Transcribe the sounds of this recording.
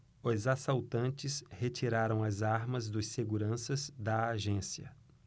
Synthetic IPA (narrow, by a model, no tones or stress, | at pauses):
ʊzasawt̪ɐ̃nt͡ʃɪshet͡ʃiɾaɾɐ̃w̃ɐzaɾmɐzd̪ʊsseɡuɾɐ̃sɐzd̪ɐːʒẽsiɐ̰